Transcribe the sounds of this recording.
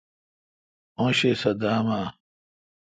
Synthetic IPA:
õːɕesɐd̪aːmaː

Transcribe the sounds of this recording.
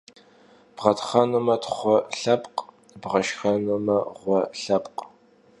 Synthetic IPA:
b̥ʁɐtʰχɐnumɐtʰχʷɔɬɐpʼq | bʁɐʃxɐnumɐʁʷɔɬɐpʼqʼ

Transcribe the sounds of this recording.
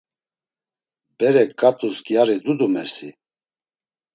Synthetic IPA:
bɛɾɛkʼːat̪ʼusɡjaɾid̪ud̪umɛsi

